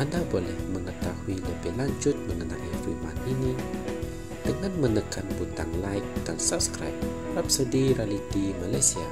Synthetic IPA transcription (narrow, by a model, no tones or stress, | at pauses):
ʔandabolɛhməŋət̪ahuiləbɪhlaɲd͡ʒʊt̪̚məŋənalifuma̰nini | d̥əŋanmənəkanbut̪aŋlaɪk̚dansap̚skɾa̰jp̚ | rapsədiɾalid̪imalajsia̰